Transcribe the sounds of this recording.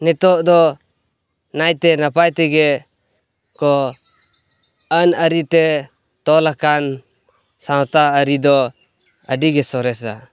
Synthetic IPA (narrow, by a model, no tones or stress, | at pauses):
nɛt̪ɔʔd̪ɔ | najt̪ɛnapajt̪ɛɡɛ | kɔ | ənəɾit̪ɛ | t̪ɔlakan | sawt̪aəɾid̪ɔ | ə̰ɖiɡɛsɔɾɛsa̰